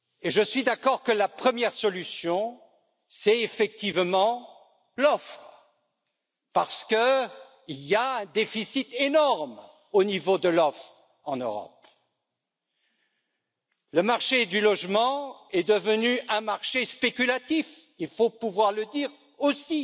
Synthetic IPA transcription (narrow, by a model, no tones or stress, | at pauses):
eʒəsɥid̪akɔʁkəlapχəmjɛʁsɔlysjɔ̃ | sɛefɛk̚t̪ivmɑ̃ | lɔfχ | paʁsə̥kə | iljaɛ̃d̪efisit̪enɔʁm | onivod̪əlɔfχ | ɑ̃nø̰ʁɔ̰p̚ | ləmaʁʃed̪ylɔʒmɑ̃ɛd̪əvənyɛ̃maʁʃespekʲylat̪if | ilfopuvwaʁləd̪iʁ | osi